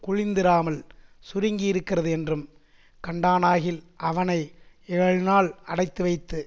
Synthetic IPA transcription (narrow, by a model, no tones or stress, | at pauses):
kʊɻɪnd̪ɪɾaːmɐl | sʊɾɪŋɡijɪɾɯkːɪrɐðɯɛndrɯm | kɐɳɖaːnaːɣɪlʔɐʋɐnɐɪ | ɛɐɻnaːɭɐɽɐɪt̪ːɯʋɐɪt̪ːɯ